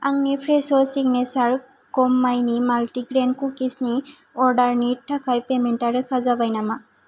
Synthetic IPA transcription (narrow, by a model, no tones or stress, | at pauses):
aŋnipʰɾesɔsik̚nesaɾ | kɔmːajnimaltiɡɾenkukisni | ɔɾɖaɾnitʰːakʰajpementaɾɯkʰazabajnama